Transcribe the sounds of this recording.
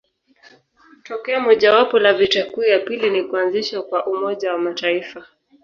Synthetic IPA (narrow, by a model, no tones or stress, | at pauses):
tɔkɛamɔʄawapɔlavitakujapilinikuanziʃwakwaʔumɔʄawamataifa